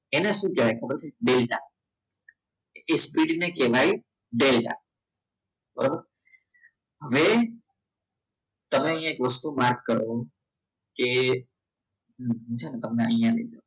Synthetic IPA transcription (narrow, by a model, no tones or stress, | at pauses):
eneʃũːkeʋajkʰəbəɾt͡ʃʰeɖelʈa̰ | espiɖinekeʋai | ɖelʈa̰ | ɔ̰ɾ | ɦəʋe | t̪əmeə̃jãekʋəst̪umaɾkkəɾo | ke | ɦɦt͡ʃʰanet̪əmneəjjãlə̰id͡ʒa